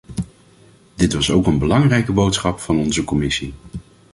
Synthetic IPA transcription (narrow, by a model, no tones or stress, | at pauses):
d̥ɪtʋɑsowkənbəlɑŋrɛjkəbowtsχɑpfɑnɔnzəkɔmɪsi